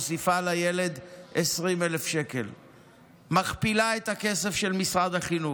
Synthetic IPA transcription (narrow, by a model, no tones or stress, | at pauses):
osifalaje̞le̞d̪esʁimelefʃe̞kel | maχpilaet̪hake̞se̞fʃelmisʁad̪aχinu